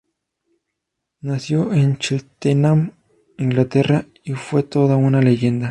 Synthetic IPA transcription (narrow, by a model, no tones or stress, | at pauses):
nasjo̞ʔent͡ʃilt̪enam | iŋɡlat̪e̞ra | ifwe̞t̪o̞ðaunale̞ʝe̞nd̪a